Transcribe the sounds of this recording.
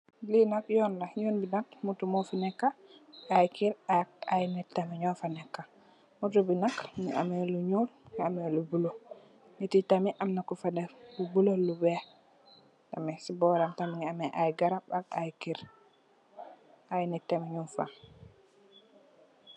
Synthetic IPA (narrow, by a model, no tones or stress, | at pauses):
linakjɔːnlajoːnbinak̚mutumofinɛkːaʔajkiɾak̚ajnitːemeɲɔfanekːa | mutubinakŋḭʔa̰meluɲuːlŋiamelubulo | nititamiʔamnakːufadeubulolube | tamisibɔːɾamtamiŋiameʔajɡaɾabakajkiɾ | ʔajnitːemeɲunfa̰